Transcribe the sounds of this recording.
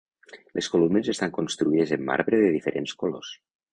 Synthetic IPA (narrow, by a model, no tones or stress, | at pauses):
lʔeskolumnezest̪aŋkonst̪ɾuið̞ezemːa̰ɾβɾeðeðifeɾʔenskolos